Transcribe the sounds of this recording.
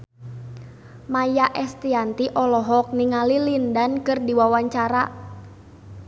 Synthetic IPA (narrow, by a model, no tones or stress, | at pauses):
majaʔɛst̪iant̪iʔɔlɔɦɔk̚niŋalilindankɨrdiwawaɲt͡ʃaɾa̰